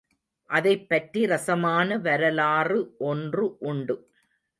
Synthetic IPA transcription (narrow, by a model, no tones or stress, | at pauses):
ʔɐðɐɪpːɐʈriɾɐsɐmaːnɐʋɐɾɐlaːrɯʔɔndrɯʔʊɳɖɯ